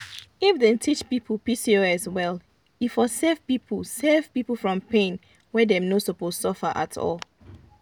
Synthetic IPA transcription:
ifdɛ̃ntʰit͡ʃpipʰəlpisioɛswɛl | ifɔsɛv̥pipʰlsɛv̥pipəfɹɔ̃mpẽn | wɛdɛ̃mnosopossɔfəʔa̰tʰɔ̰lˠ

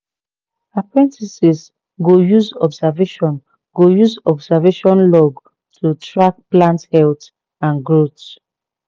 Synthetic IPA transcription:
apɹɛ̃ntisis | ɡojuzɔbsaveʃɔ̃n | ɡojuzɔbsaveʃɔ̃nlɔɡ | tʰutɹak̚plãnthɛlt | ãnɡɹot

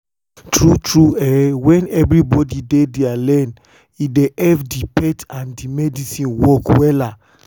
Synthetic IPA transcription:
tɹutɹuɛwɛ̃nɛvɾibɔdidedealɛn | ideɛfdipɛtãndimɛdisĩnwɔkwɛla

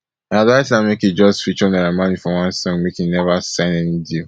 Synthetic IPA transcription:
adaɪsãmekid͡ʒɔstfit͡ʃõnaɾamanifɔwãnsɔ̃ŋmekinɛvasãɪ̃nɛnidil

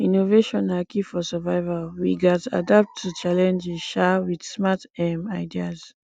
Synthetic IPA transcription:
ĩnoveʃɔ̃nakifɔsɛvaɪvalwḭɡɔta̰dap̚tʰːut͡ʃalɛ̃nd͡ʒiʃawid̥smatɛmaɪdiaz

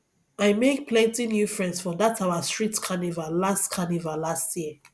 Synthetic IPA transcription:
aɪmek̚pʰlɛ̃ntinjufɹɛ̃ndsfɹɔ̃mðatʰaʊastɹ̥itkʰanivallastkʰanivallastʰjiə

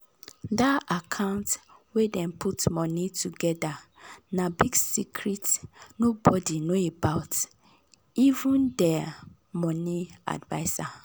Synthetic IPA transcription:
daakʰãʊ̃ntwedɛ̃mpʰutmɔnitʰuɡɛdanabiɡsikʰɹitnobɔdinoebaʊt | ivũndɛ | mɔnia̰dva̰ɪsa

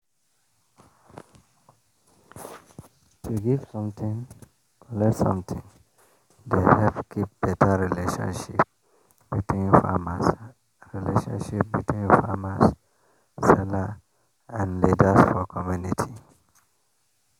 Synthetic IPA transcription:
tʰuɡiv̥sɔ̃mt̪ĩŋ | kʰɔlɛtsɔ̰̃mt̪ʰĩŋ | dehɛfkʰip̚b̥ɛtʰaɹileʃɔ̰̃nʃip̚ | b̥itʰwĩnfa̰mas | ɹileʃɔ̰̃nʃip̚bitʰwĩnfamas | sɛla | ãnlidasfɔkʰɔmjunitʰi

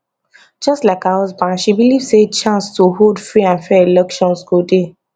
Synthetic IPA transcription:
d͡ʒɔstlaɪkawɔzbãnʃibilivset͡ʃãnstuɦodfɹiãnfɛilɛkʃɔ̃nsɡode

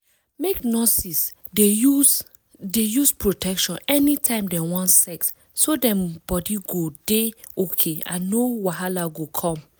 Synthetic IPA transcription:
meknɔsis | e | dejuspɹotʰɛkʃɔ̃nɛnitʰãɪ̃mdɛ̃wɔ̃nsɛks | sodɛ̃mbɔdiɡodeokʰea̰nowaɦalaɡokʰɔ̃m

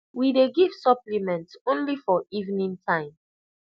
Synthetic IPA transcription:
wideɡiv̥sʌplimɛ̃ntõnlifɔivnĩntʰãɪ̃m

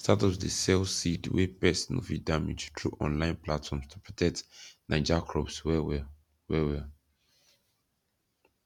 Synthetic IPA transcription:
statɔdəsɛlsidwɛ̰pɛsnɔ̰fḭdamḭd͡ʒtʰɹuʔɔ̰̃nlãɪ̃nplatfɔ̃mstʰu̥pɹɔtʰɛk̚tnãɪd͡ʒakʰɹɔpswɛwɛ | wɛwɛ

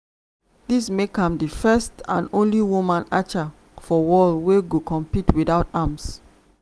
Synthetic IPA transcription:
dismekãmdifɛstãnõnliwumãnat͡ʃa | fɔwɔlweɡokʰɔ̃mpitwidaʊtams

